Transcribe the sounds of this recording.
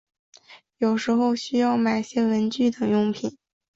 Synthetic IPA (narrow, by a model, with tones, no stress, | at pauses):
jo˨˩ʊʂɻ̩˧˥xo˥˧ʊɕy˥jɑ˥˩ʊma˨˩ɪɕjɛ˥ɻə˧˥nt͡ɕy˥˩t̪ɤ˨˩ŋjʊ˥˩ŋpʰi˨˩˦n